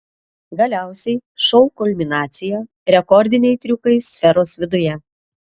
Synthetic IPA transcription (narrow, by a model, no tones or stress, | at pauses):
ɡɐlʲæˑʊsʲɛɪʃɔʊkɔlʲmʲɪnɑːt̪sʲɪjoː | ɾʲɛkɔɾʲd̪ʲɪnʲɛɪt̪ʲɾʲʊkɐɪsʲfʲɛɾoːsʋʲɪd̪ʊjɛ